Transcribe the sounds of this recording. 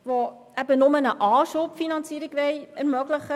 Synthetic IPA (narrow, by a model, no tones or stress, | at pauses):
vo | æbənʊmənəʔɑːʃopfinɑnt͡siəɾɪɡvɛɪɛɾmœɡləχə